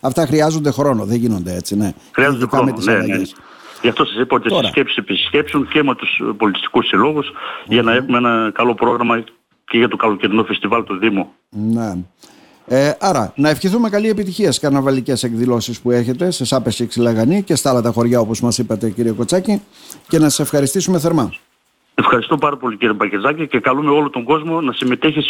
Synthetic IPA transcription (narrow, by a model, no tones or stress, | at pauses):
ɐft̪ɐxɾiɐzo̞nd̪e̞xɾo̞no̞ðeʝino̞nd̪eet͡sine̞ | xɾiɐzoðd̪ekɾɐonmet̪isneis | ʝɐft̪o̞sɐsipɐo̞t̪ietoɾɐscepsi̥sepisce̞psunce̞me̞t̪uspo̞lit̪i̥st̪i̥kusilo̞ɣusʝɐnɐe̞xumeenɐkɐlo̞pɾo̞ɣɾɐmɐ | ceʝɐt̪okɐlociɾinufe̞st̪ivɐlt̪oðimo | ne | eʔɐɾɐnɐefçiθume̞kɐlie̞pit̪içiɐsi̥kɐɾnɐvɐlice̞se̞kðilo̞sispue̞çe̞t̪e̞sesɐpesiksilɐɣɐnice̞st̪ɐɐlɐt̪ɐxo̞ɾʝɐo̞po̞zmɐsipɐt̪e̞ciɾieko̞t͡sɐci | ce̞nɐsi̥se̞fxɐɾist̪isumeθe̞ɾmɐ | efxɐɾist̪o̞pɐɾɐpo̞liciɾiepɐcezɐcice̞kɐlumeo̞lot̪o̞ŋɡo̞zmo̞nɐsime̞t̪eçis